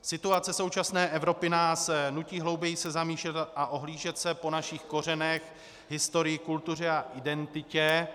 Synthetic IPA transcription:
sɪt̪uat͡sɛso̞wt͡ʃasnɛːʔɛvɾo̞pɪnaːsnuciːɦlo̞wbjɛjɪsɛzamiːʃlɛt̪ʔaʔo̞ɦliːʒɛt̪sɛpo̞naʃixko̞r̝ɛnɛx | ɦɪst̪o̞ɾɪjɪkult̪ur̝ɛaʔɪdɛnt̪ɪcɛ

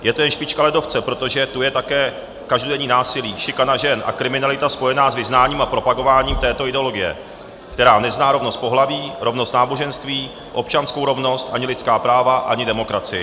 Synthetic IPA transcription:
jɛt̪ojɛnʃpɪt͡ʃkalɛdo̞ft͡sɛpɾo̞t̪o̞ʒɛt̪ujɛt̪akɛː | kaʒdodɛɲiːnaːsɪliːʃɪkanaʒɛnʔa̰kɾɪmɪnalɪt̪aspo̞jɛnaːzvɪznaːɲiːmapɾo̞paɡo̞vaːɲiːmt̪ɛːt̪o̞ɪdɛo̞lo̞ɡɪjɛ̰ | kt̪ɛɾaːnɛznaːɾo̞vno̞st̪po̞ɦlaviːɾʔo̞vno̞st̪naːbo̞ʒɛnst̪viː | ʔo̞pt͡ʃanskowɾo̞vno̞st̪ʔaɲɪlɪt̪t͡skaːpɾaːvaʔa̰ɲɪdɛmo̞kɾat͡sɪjɪ

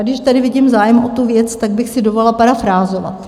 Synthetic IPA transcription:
ɡdɪʃt̪adɪvɪɟiːmzaːjɛmʔot̪uvjɛt͡st̪aɡ̚bɪxsɪdovollapaɾafɾaːzo̞va̰

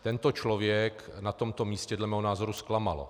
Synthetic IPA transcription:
t̪ɛnt̪ot͡ʃlovjɛknat̪o̞mt̪omiːscɛdlɛmɛːɦonaːzo̞ɾusklama̰lo̰

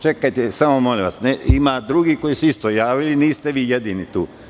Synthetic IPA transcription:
t͡ʃe̞kajt̪esamomolĩʋasneimad̪ɾuɡiko̞isuist̪o̞jaːʋiliniːst̪eʋiːjed̪iːnit̪uː

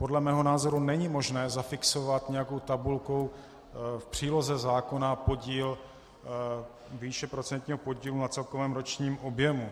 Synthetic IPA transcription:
po̞dlɛmɛːɦo̞naːzo̞ɾunɛɲɪmo̞ʒnɛːzafɪksovat̪ɲɛjako̞wt̪abulko̞ | fpr̝̥iːlo̞zɛzaːko̞napo̞ɟiːl | viːʃɛpɾo̞t͡sɛnt̪ɲiːɦopoɟiːlunat͡sɛlkovɛːmɾo̞t͡ʃɲiːmʔo̞bjɛmu

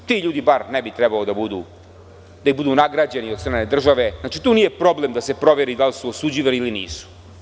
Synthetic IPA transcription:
t̪iʎuːd̪ibaɾnebit̪ɾɛbalod̪abud̪ṵ | d̪aibud̪unaɡɾad͡ʑeniod̪st̪ɾaːne̞d̪r̩ʒaʋe̞znaːt͡ʃit̪uːniːje̞pɾo̞ble̞md̪ase̞pɾo̞ʋe̞ɾid̪alsuosud͡ʑiʋaliilinḭːsu̥

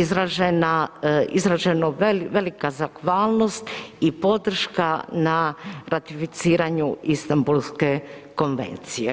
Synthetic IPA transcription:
izɾaʒenaizɾaʒenoʋe̞likazakʋaːlˠno̞st̪ipo̞d̪r̩ʃkanaɾʔat̪ifit̪siːɾaɲuist̪ambulˠske̞ko̞nʋe̞̰nt̪sijḛ

